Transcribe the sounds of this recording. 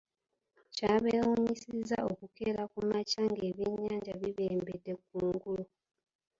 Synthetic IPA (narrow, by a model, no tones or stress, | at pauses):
caːβeuɲisiza̰okukeɾakumacaŋɡe̞ːβjeɲːaːɲɟaβiβe̞ːmbedːe̞kuːŋɡulu